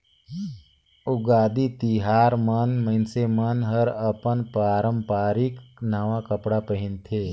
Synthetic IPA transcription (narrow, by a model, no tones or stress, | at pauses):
ʊɡaːd̪it̪iɦaːɾmənmə̃ɪnsemənɦəɾəpənpɾaːɾə̃mpaːɾɪknəʋakəpɽapəɦɪ̃nt̪ʰeː